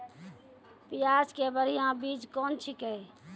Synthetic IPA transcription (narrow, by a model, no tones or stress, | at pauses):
pijad͡ʒkebəɾijãbid͡ʒkɔnt͡ʃʰikəj